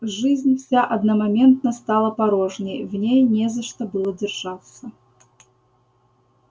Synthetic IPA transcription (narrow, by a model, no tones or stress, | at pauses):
ʐɨzʲnʲfsʲaʔɐd̪nɐmɐmʲe̞nt̪nəst̪alˠəpɐɾoʐnʲɪjvnʲejnʲezəʂt̪əbɨlˠədʲɪrʐ̥at̪sə